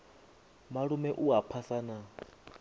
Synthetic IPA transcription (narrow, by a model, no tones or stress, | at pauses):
maɺumɛʔuɦapʰasaːna